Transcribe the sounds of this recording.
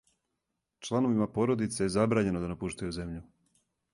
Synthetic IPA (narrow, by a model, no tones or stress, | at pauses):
t͡ʃlˠano̞ʋimapo̞ɾo̞d̪it̪sejezabɾaːɲe̞nod̪anapuʃt̪ajuze̞mʎu